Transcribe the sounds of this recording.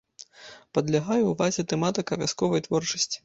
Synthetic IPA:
pɐd̪lʲaɣajɛwvazʲɛt̪ɛmat̪ɨkɐvʲaskɔvɐjt̪vɔrt͡ʂɐsʲt͡sʲi̥

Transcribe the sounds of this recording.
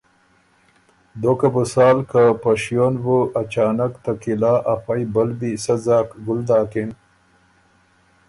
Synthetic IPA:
d̪okabusaːlkapɐʃjonvuʔɐt͡ʃaːnɐkt̪ɐkilaːʔɐfɐjbɐlbisɐzaːkɡʊld̪aːkin

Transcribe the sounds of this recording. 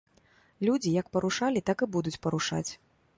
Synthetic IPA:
lʲud͡zʲijɐkpɐɾuʂalʲit̪akɨbud̪ut͡sʲpɐɾuʂa̰t͡sʲ

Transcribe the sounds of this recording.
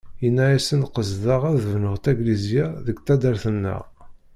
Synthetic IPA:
jənːæjæsənqəzðɑʁæðvnəʁt̪æɡlizjæðəɡt̪æd̪æɾθənːə̰ʁ

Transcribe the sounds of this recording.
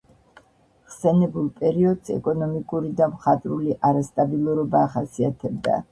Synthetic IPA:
χsɛnɛbulˠpʼɛɾiɔd̪sɛ̰kʼɔnɔmikʼuɾid̪amχat̪ʼɾuliʔaɾast̪ʼabilˠuɾɔbaːχasiat̪ʰɛb̚d̪a̰

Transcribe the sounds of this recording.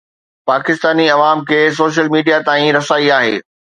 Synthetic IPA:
paːkɪst̪aːniɐʋaːmkʰeːs̬oːʃ̬əlmiːɖijat̪aːĩɾɐsaːiaːɦḛː

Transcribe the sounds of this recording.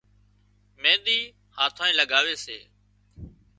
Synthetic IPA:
mẽːɗ̪iː | hãːt̪ʰaːĩːləɡaːʋeːsḛː

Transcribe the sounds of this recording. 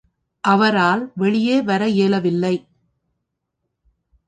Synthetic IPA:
ʔɐʋɐɾaːlʋɛɭɪjeːʋɐɾɐjeːlɐʋɪlːɐɪ

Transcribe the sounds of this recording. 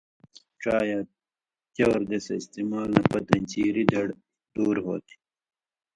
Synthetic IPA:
ʈ͡ʂaːja | t̪jɐwɾd̪esɐist̪imaːlnɐpɐt̪ɐnʲt͡ɕiːɾid̪ɐɽ | d̪̥uːɾɦo̰ːt̪i̥

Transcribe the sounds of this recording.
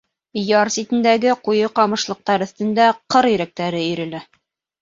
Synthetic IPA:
jɑɾsit̪ɘ̆nd̪æɡɘqujɤqɑmɤ̆ʃlˠɤ̆q̚t̪ɑɾɵ̆θt̪ɘ̆nd̪æqɤɾjɘ̆ɾæk̚t̪æɾɘiɾɘ̆læ

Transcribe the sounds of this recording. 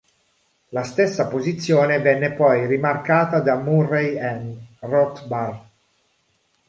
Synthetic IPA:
last̪esːapozit̪sːjoːnevɛnːepɔjrimarkaːt̪ad̪amurejɛnrɔkbar

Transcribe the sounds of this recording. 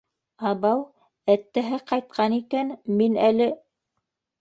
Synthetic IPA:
ɑβɑw | æt̪ːæɦæqɑjt̪̚qʰɑnikænminælɘ

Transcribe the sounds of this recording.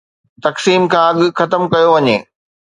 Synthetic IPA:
t̪ɐksiːmkʰãːɐɠʊ̆xɐt̪əmkɐjoʋɐɲeː

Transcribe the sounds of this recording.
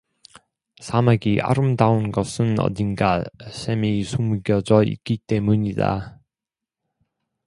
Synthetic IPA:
sʰamaɡiʔa̰ɾɯmdaunɡʌsʰɯnʌ̰dinɡaɕʰemisʰumɡjʌd͡ʑʌḭk͈it͈e̞muɲida̰

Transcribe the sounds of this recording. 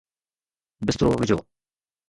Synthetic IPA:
bɪst̪ɾoːʋɪd͡ʑo̰ː

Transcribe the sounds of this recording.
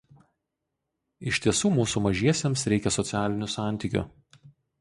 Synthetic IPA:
ɪʃʲt̪ʲiɛsuːmuːsuːmɐʒʲiɛsʲemsɾʲɛɪkʲɛsɔt̪sʲæːlʲɪnʲʊsɑˑnʲt̪ʲiˑkʲʊ̰

